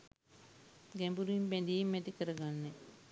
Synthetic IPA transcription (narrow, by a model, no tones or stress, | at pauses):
ɡæmbuɾuimpænd̪iimːɛt̪ikəɾəɡanːe